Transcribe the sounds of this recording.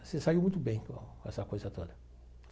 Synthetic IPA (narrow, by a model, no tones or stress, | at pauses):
sesaiwmũj̃t̪ʊbẽj̃kõɛsɐkojzɐt̪od̪ɐ